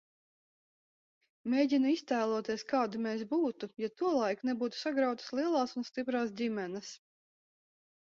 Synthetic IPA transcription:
mʲeːjɟʲinuist̪æːlˠuɔt̪iɛskaːd̪umʲeːs̬buːt̪ujat̪uɔlˠajknɛbuːt̪u̥saɡɾawt̪ḁslˠiɛlˠɑːsunst̪ipɾaːs̬d̪ʲimʲɛnɐs

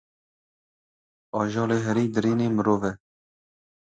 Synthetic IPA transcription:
ɑːʒɑːleːɦɛɾiːd̪ɨɾiːneːmɨɾoːvɛ

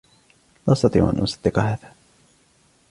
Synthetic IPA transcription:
laʔɑsˤt̪ɑt̪ˤḭːʕʔa̰nʔʊsˤɑ̥d̪̥ːɪqɑɦaːða

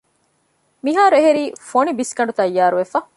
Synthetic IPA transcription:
miɦaːɾeɦeɾiːfoɳibiskɐɳɖut̪ɐjːaːɾuʋefɐ

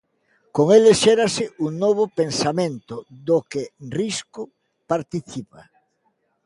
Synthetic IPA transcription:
koŋeleʃeɾasɪʔuŋnoβ̞opensamẽnt̪ʊðokerisko | paɾt̪iθipa

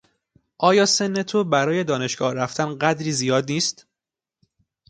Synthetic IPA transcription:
ʔɒːjɒːse̞nːe̞t̪ʰobæɾɒːje̞d̪ɒːne̞ʃɡɒ̰ːhræft̪ʰænɢæd̪ɾiːzijɒːd̪niːst̪

